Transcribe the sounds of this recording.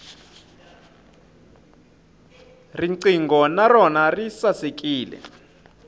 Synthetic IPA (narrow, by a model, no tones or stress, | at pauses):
riǀiŋɡɔnarɔnarisasek̬ʼiːlɛ̰